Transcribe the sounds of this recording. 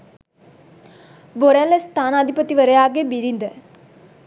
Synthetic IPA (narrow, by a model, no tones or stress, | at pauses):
boɾalest̪ʰaːnaːd̪ʱipɐt̪ːiʋɐɾejaːɡebiɾind̪ɐ